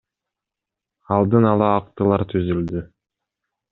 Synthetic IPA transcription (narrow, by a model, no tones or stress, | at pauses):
ɑlˠd̪ɯnɑlˠɑːq̚t̪ɯlˠɑɾt̪ʰyzyld̪y